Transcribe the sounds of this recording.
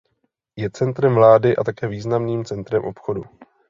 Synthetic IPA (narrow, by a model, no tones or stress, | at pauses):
jɛt͡sɛnt̪ɾɛmvlaːdɪʔa̰t̪akɛːviːznamniːmt͡sɛnt̪ɾɛmʔo̞pxo̞du